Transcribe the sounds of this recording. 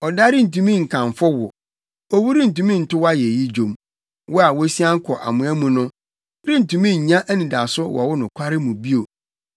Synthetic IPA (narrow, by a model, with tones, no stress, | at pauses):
ɔ˨da˦ɾɪ˦n̩˨tũ˨mĩ˦ŋ̩˨kʰã˨ɱfɔ˦wʊ˨ | ɔ˦wu˦ɾi˦n̩˨tũ˨mĩ˦n̩˨tʊ˦wa˦jɛ˨ji˦d͡ʑõ˨m | wɔ˦a˨wɔ˦si˦ã˦ŋ̩˦kʰɔ˨ʔa̰˨mʊ̃˨æ˦mũ˨nʊ̃˦ | ɾɪ̃˦n̩˨tũ˨mĩ˦ɲ̩˨ɲã˦ʔæ˦nĩ˨da˨sʊ˦wɔ̰˨wʊ˦nʊ̃˨kʷʰa˦ɾɪ˦mũ˨bi˦o˨